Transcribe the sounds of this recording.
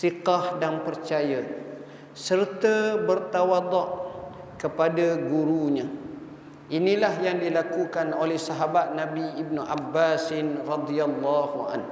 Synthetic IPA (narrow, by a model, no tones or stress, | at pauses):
siqahdanpərt͡ʃaja | sərt̪əbərt̪awad̪ɔʔ | kəpadaɡuɾuɲã | ʔinilahjaŋdilakukanolɛhsaɦabat̪̚nãbiib̚nuʔabːasɪnrɑd̪ialːahua̰n